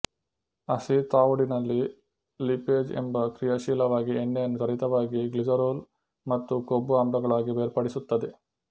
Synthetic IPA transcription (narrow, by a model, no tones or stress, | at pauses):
ɐsit̪aːʋuɽinɐlːi | lipeːd͡ʒḛmbɐkɾijɐʃiːlɐʋaːɡienːɛjɐnːut̪ɐɾit̪ɐʋaːɡiɡlid͡ʒɐɾoːl | mɐt̪ːukobːuɐmɖɐɡɐɭaːɡiʋeːɾpɐɽisut̪ːɐd̪e